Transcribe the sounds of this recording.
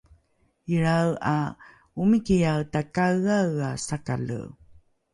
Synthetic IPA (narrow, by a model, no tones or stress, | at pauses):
iɾawa̰ | umikijawtakaɣawasaka̰lṵ